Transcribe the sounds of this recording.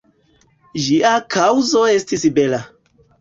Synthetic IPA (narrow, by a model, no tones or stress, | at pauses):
d͡ʒiakʰawzo̞e̞stisbe̞la